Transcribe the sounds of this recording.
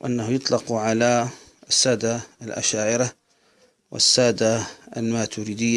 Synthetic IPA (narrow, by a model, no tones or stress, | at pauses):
ʔanːahʊjʊt̪ˤlɑqʕala | asːaːd̪alʔa̰ʃaːʕɪɾa | wʔɪ̰sːaːd̪aalmaːt̪uɾiːd̪ɪjːa